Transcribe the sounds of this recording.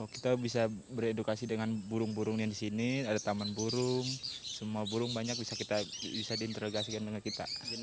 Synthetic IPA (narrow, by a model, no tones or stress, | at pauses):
ɔki̥t̪abisabəɾedukasidəŋanbuɾʊŋbuɾʊŋnadisiniadat̪amanbuɾʊŋsəmuabuɾʊŋbaɲak̚bisakit̪abisadiːnt̪əɾoɡasikandəŋankit̪a̰